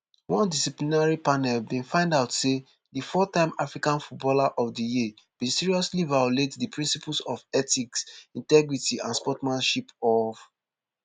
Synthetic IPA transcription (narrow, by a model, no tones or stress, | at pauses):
wɔ̃ndisiplinaɹipanɛlbĩnfãɪ̃ndaʊtse | difɔtãɪ̃mafɹikãnfut̚bɔlaʔɔfdiji | b̥ĩnsiɹiɔslivajɔletdipʰɹĩnsipl̩sɔvɛtiksĩntɛɡɹitiʔãnspɔtmãnʃipɔf